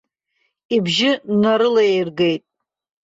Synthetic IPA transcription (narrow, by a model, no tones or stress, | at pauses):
ibʒɪnaɾɨlaejrɡe̞jtʼ